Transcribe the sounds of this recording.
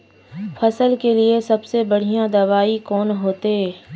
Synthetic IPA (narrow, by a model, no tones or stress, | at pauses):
fʰɐsəlkeliesɐbsebɐɽ̤ijãd̪ɐʋaːikɔːnɦoːt̪eː